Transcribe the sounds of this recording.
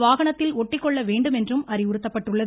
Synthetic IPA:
ʋaːɣɐɳɐt̪ːɪlɔʈːɪkːɔɭːɐʋeːɳɖɯmɛndrɯmɐrɪʊɾɯt̪ːɐpːɐʈːɯɭːɐð

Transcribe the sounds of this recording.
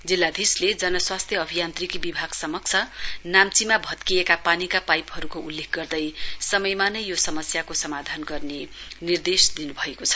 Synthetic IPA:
d͡zilːad̪ʱisled͡zʌnʌswast̪ʰjʌʌbʱijant̪rikibibʱaɡ̥sʌmʌk̚t͡sʰʌnamt͡simabʱʌt̪kiekapanikapajpɦʌɾukoulːek̚ʰɡʌrd̪ʌjsʌmʌjmanʌjjosʌmʌsjakosʌmad̪ʱanɡʌrnenird̪esd̪inubʱʌekot͡sʰʌ̥

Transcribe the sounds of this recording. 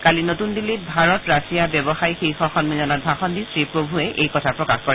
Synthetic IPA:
kalinotundilibʱaɹɔtɹasijabjɔbɔxajxixɔxɔnmizanɔt̚bʱaxɔndisɹipɹobʱuɛʔejkɔtʰapɹɔkaxkɔɹɛ

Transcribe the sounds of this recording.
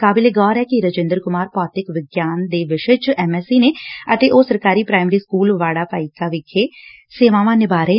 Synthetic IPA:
kaːbɪleːɡɔːɾɛːkiɾəd͡ʒẽːnd̪əɾkʊmaːɾpɔːt̪ɪkʋɪɡjaːnd̪eːʋɪʃət͡ʃɛːmɛːsiːneːət̪eːʔoːsəɾkaːɾiːpɾaːɪmɾiːskuːlʋaːɽaːpaːikaːʋɪkʰeː | seːʋãːʋãːnɪbaːɾeː

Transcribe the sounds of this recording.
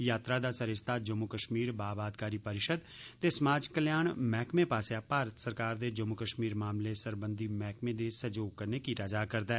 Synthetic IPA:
jaːt̪ɾaːd̪aːsəɾɪst̪ʰaːd͡ʒəmukəʃmiːɾbaːbaːd̪kaːɾiːpəɾɪʃəd̪t̪eːsəmaːd͡ʒkəljaːɳmɛːkmẽːpaːsjaːpaːɾət̪səɾkaːɾd̪eːd͡ʒəmukəʃmiːɾmaːmleːsəɾbənd̪iːmɛːkmẽːd̪eːsəd͡ʒoːɡ̚kəɾneːkiːt̪aːd͡ʒaːkəɾd̪aː

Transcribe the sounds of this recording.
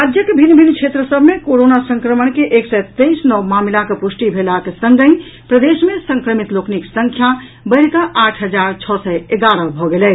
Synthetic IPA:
ɾad͡ʒjəkebʱinbʱinkʰet̪ɾəsəbʱmekoɾonasə̃ŋkɾəmənkeʔeksɛt̪ejsnɔwmamlakepusʈibʱelakesəŋɡəĩ | pɾəd̪esmesəŋkɾəmit̪lokniksəŋkʰja | bəjɾkəʔaʈʰɦəd͡ʒaɾt͡ʃʰɔsɛeɡaɾəbʱɔɡelɛ

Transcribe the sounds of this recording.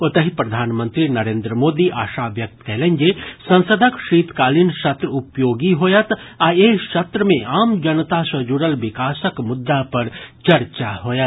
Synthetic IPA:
ot̪əɦipɾɐd̪ʱaːnmə̃nt̪ɾinɐɾẽːnd̪ɾəmoːd̪iʔaːʃaːʋjɐk̚t̪kɛːlẽɲd͡ʒesɐ̃nsəd̪ʱəkʃiːt̪kaːlinʃɐt̪ɾəʊpjoːɡiɦoːjət̪aːeʃɐt̪ɾəmẽʔaːmd͡ʒɐnt̪asɐd͡ʒuɾəlʋɪkaːsəkmʊd̪ːapɐɾt͡ʃɐɾt͡ʃaɦoːjət̪

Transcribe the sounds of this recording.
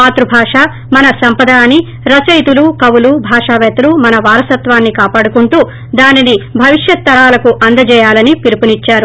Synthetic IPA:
aːt̪ɾubʱaːʂaː | mɐnɐsɐmpɐd̪aːni | ɾɐsɐjt̪ulukɐwulubʱaːʂaːʋɛːt̪ɐlumɐnɐʋaːɾɐsɐt̪ʋaːnːikaːpaːɽukuɳʈuː | d̪aːninibʱɐʋiʂjɐt̪ːɐɾaːlɐkuʔɐnd̪ɐd͡ʒɛːjaːlɐnipiɾipunit͡ʃːaːɾu

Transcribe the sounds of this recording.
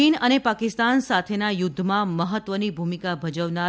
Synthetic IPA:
inənepakɪst̪ansat̪ʰenajʊd̪ʱːəmãməɦət̪ʋənibʱumikabʱəd͡ʒəʋna

